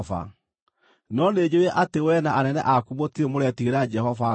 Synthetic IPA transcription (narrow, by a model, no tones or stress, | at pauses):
fa̰ | nɔned͡ʑeeʔatewɛnaʔanɛnɛ̰ʔakumotiemoɾɛtiɣeɾad͡ʒɛhɔva